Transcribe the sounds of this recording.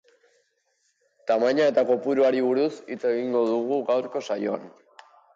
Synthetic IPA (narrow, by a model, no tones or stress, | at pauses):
t̪amaɲae̞t̪ako̞puɾuaɾiβ̞uɾusit͡se̞ɣiŋɡo̞ðuɣ̞uɣawɾko̞sajo̞a̰n